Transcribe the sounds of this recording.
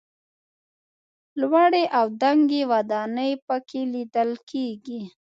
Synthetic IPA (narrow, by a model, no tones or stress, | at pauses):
lwaɽeʔawd̪aŋɡewad̪ɑnəjpəkʰelid̪əlkʰeɡi